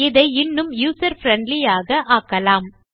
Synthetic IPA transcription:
ɪðɐɪɪnːɯmjuːsɐɾfɾɛɳɖlɪjaːɣɐʔaːkːɐlaːm

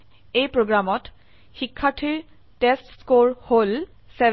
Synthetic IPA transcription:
ejpɹoɡɹamɔt | xikʰːatʰiɹ | testskoɹhol | sɛ

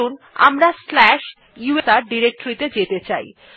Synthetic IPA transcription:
un | a̰mɾaslɛʃ | juesaɾɖiɾek̚ʈoɾit̪ed͡ʑet̪et͡ɕa̰j

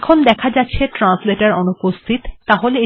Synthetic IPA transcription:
kʰond̪ɛkʰad͡ʑatːɕʰeʈɾansleʈaɾonupost̪ʰit̪ːaɦolee

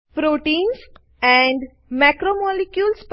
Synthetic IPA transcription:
pɾoʈĩːns | ɛ̃ɳɖ | mækɾomɔlikjulsp

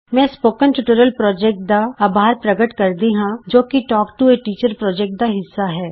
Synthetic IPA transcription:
mɛ̃ːspoːkənʈuʈəɾəlpɾɔːd͡ʒɛːk̚ʈ̚d̪aaːbʱaːɾpɾɐɡəʈkɐɾd̪iɦãd͡ʒoːkiʈɔːkʈueʈiːt͡ʃəɾpɾɔːd͡ʒɛːk̚ʈ̚d̪aɦɪsːaɦɛː

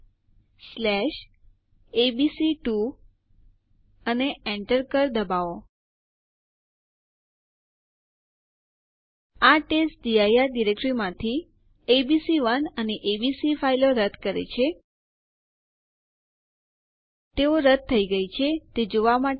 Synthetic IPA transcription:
slɛʃ | ebisiʈu | əneɛ̃ɳʈəɾkəɾd̪əbao | aʈesʈ̚ɖiajaɾɖiɾek̚ʈɾimãt̪ʰi | ebisiʋənəneʔebisifailoɾəd̪ʱkəɾḛt͡ʃʰe | t̪eoɾəd̪̚t̪ʰːəiɡəit͡ʃʰet̪ed͡ʒoʋama

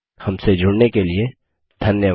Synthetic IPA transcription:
hɐmsed͡ʒʱʊɽnekelie | d̪ʱɐnjəʋ

